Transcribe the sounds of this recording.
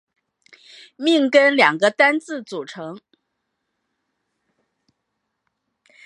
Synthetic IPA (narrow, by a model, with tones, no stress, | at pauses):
mi˥˧ŋkə˥nljɑ˨˩ŋɡə˧˦t̪a˥nt͡sɹ̩˥˩t͡su˨˩ʈ͡ʂʰɤ˧˥ŋ